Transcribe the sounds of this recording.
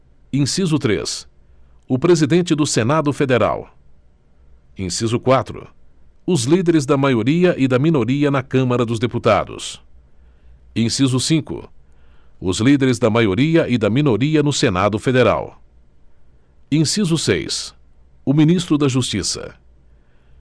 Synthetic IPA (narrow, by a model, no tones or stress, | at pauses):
ĩsizʊt̪ɾḛs | ʊpɾezid̪ẽnt͡ʃɪd̪ʊsenad̪ʊfed̪eɾa̰w | ĩsizʊkwat̪ɾʊ̰ʊzlid̪eɾɪzd̪ɐmajoɾiɐʔɪd̪ɐmĩnoɾiɐnɐkɐ̃mɐɾɐd̪ʊzd̪eput̪a̰d̪ʊ̰s | ẽsizʊsĩkʊ̰ | ʊzlid̪eɾɪzd̪ɐmajoɾiɐʔɪd̪ɐmĩnoɾiɐnʊsena̰d̪ʊfed̪eɾa̰w | ĩsizʊsḛjs | ʊmĩnist̪ɾʊd̪ɐʒust͡ʃisɐ̰